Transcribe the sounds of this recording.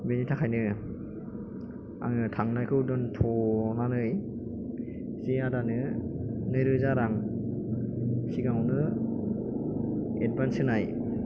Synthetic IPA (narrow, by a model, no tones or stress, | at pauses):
benitʰakʰajnɯ | a̰ŋɯtʰaŋnajkʰɯwdɯntʰɔnanɯj | ziadanɯnɯɾɯzaɾaŋ | kʰiɡaŋɔnɯ | ed̚bansɯnaj